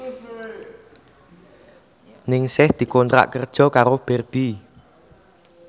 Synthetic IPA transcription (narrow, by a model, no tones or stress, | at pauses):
nɪŋsɪhd̪̥i̤kɔnt̪ɾa̰ʔkərd̥ʒ̥ɔ̤kaɾob̥ɛrb̥i